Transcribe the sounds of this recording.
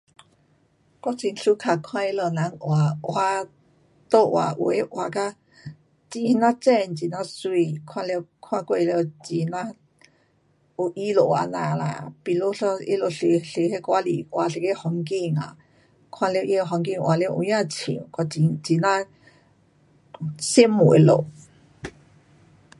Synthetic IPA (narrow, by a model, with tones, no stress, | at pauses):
kʷa˧t͡ʃi˧˨nɬu˦kʰa˨kʰwã˦˧i˦lə˧˨nã˨˧ŋʔwa˧wa˦ | t̪o˦˨ʔwa̰˧ʔṵ˧e˦ʔwa˧ka˦ | t͡ʃi˧hnã˦t͡ʃɛ˦˨nt͡ʃi˨nã˧swi˧kʰwã˧le˧kʰwã˧kʷe˦˧e˧le˧o˧t͡ʃi˧na˦ | o˧ʔi˦lo˧˨ʔwa̰˧˨nã˨la̰˧pi˧lo˦ɬo˧i˦lo˧˨ɬe˧ɬe˧he˦kʷa˦lḭ˧ʔwa˧ɬe˧ke˦ho˧ŋki˦˧˨ŋa̰˨ | kʰã˦le˧ʔe˦˧ɦa˧ŋki˦˧˨ŋʔwa˧˨le˧˦˧ʔṵ˧jã˧t͡ʃʰḭ̃˨kʷa˧˨i˧t͡ʃi˨nã˦ | si˦mu˨ʔḛ˨lo̰˨ʔ